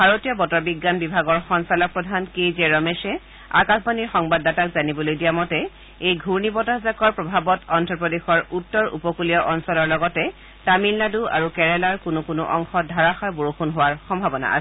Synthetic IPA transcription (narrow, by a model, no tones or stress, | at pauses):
bʱaɹotijɔbɔtɔɹbiɡːanbibʱaɡɔɹxɔnsalɔk̚pɹɔdʱankejzɛɹɔmɛsɛ | a̰kasbaniɹxɔŋbadːatakzanibɔlojdijamɔtɛ | ejɡʱuɹnibɔtazakɔɹpɹɔbʱabɔtɔntɹɔpɔdexɔɹutːɔɹṵpɔkulijɔʔɔnsɔlɔɹlɔɡɔtɛ | tamilːadua̰ɹukɛɹɛlaɹkʊnʊkʊnʊʔɔŋxɔdʱaɹaxajboɹoxunɦowaɹxɔmbʱabɔna̰ʔa̰sɛ̥